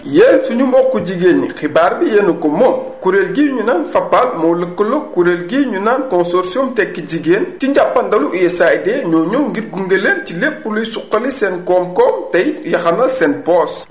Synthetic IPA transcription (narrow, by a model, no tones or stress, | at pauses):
jeːnsuɲumɔkːuɟiɡeːnːixibaːɾbijenukɔmɔkuɾeːlɡiːɲunaːnfɐpːaːlmɔləkːəlɔkuɾeːlɡiːɲunaːnkɔnsɔɾsiɔmtɛkːiɟiɡeːntiɲɟapːɐndɐluʔɛsajdɛːɲɔːɲɔwŋɡiɾɡuŋɡeleːncilepːulujsuqːɐlisɛnkɔːmkɔːmtɐjjɐxɐnɐsɛnpɔːs